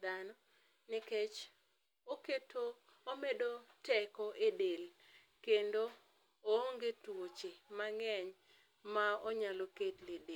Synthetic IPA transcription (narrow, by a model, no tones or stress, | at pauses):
d̪anɔ | nɪket͡ʃ | oketoː | medotɛkɔʔedel | kendo | ooŋɡetwot͡ʃemaŋɛɲ | maoɲaloketlede